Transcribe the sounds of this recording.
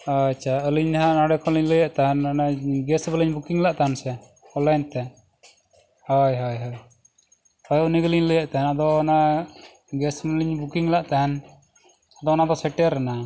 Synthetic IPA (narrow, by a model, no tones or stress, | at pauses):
at͡ʃʰaəliɲɦanaɽɛkʰɔliɲləjaʔt̪aɦɛnanaɡɛsbələɲbukiŋlaʔt̪aɦnsɛ | ɔlaɲt̪ɛ | hɔjɦɔjɦɔj | hɔjɔniɡəliɲləjaʔt̪aɦɛnad̪ɔːna | ɡɛsməliɲbukiŋlaʔt̪aɦɛn | ad̪ɔnad̪ɔsɛʈəɾɛna